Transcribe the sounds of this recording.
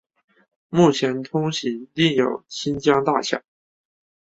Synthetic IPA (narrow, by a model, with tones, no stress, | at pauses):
mu˥˩t͡ɕʰjɛ˧˥nt̪ʰʊ˥ŋɕi˧˥t̪i˥˩ŋjo˨˩ʊt͡ɕʰi˥nt͡ɕjɑ˥ŋt̪a˥˧ɕjɑ̰˥˩˦